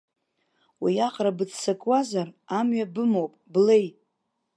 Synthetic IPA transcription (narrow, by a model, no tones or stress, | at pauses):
wijaχrabɨd͡zsakʼwazaramɥabɨmo̞wpʼble̞j